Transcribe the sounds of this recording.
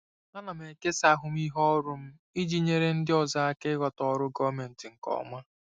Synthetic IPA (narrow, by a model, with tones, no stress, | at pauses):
a˦na˨me˨ke˦sa˦ɦʊ˦m˦i˦ɦɔ˦ɾʊ˦m̩˦ | i˦d͡ʒi˦ɲe˦ɾe˦n̩˦dɪ˦ɔ˨za˦a˦kɪ˦ɡʷa˨tɔ˨˦ɾʊ˦ɡɔ˦me˨n̩˨tɪ˨ŋ̩˨kɔ̰˨˦ma˦